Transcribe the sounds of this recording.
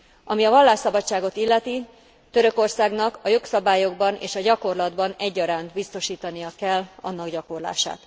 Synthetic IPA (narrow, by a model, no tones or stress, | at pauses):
ɒmiɒvɒlːaːʃsɒbɒt͡ʃːaːɡo̞t̪ilːɛt̪i | t̪øɾø̞ko̞rsaːɡnɒkɒjo̞ksɒbaːjo̞ɡbɒnʔḛːʃɒɟɒko̞rlɒd̪bɒnɛɟːɒɾaːnt̪bist̪o̞ʃiːt̪ɒnijɒkɛlːɒ̰nːɒɡɟɒko̞rla̰ːʃa̰ːt̪